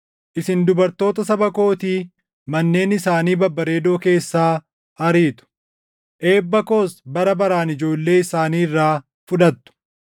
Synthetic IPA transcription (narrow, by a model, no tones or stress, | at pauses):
ʔɪsɪnd̪ʊbɐɾt̪o̞ːt̪ɐsɐbɐko̞ːt̪iː | mɐnːe̞ːnɪsaːniːbɐbːɐɾe̞ːd̪o̞ːke̞ːsːaː | ɐɾiːt̪ʊ̥ | ʔe̞ːbːɐko̞ːsbɐɾɐbɐɾaːnɪd͡ʒo̞ːlːe̞ːɪsaːniːɪrːaː | fʊᶑɐt̪ːʊ̥